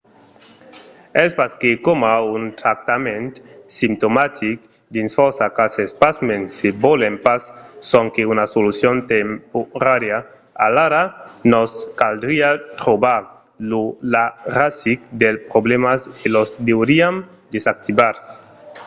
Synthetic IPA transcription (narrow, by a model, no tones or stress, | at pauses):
ɛspaskekomaunt̪ɾak̚t̪amẽnt̪simt̪omat̪ʰik | d̪insfɔɾsakasespasmensebɔlempasːɔŋkeunasolusjont̪empoɾaɾja | a̰laɾanɔskald̪ɾiat̪ɾobaɾ | lularasik̚d̪elpɾoblemaskelɔzd̪ewɾiam | d̪esak̚t̪ibaɾ